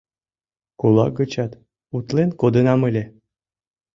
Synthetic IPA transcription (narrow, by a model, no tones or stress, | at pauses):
kulˠɑ̰ɡət͡ɕɑt̪ | ut̪lenkod̪ənɑməlʲe